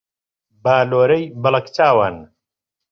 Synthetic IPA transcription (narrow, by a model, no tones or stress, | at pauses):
baːloːɾɐjbɐlɐkt͡saːwan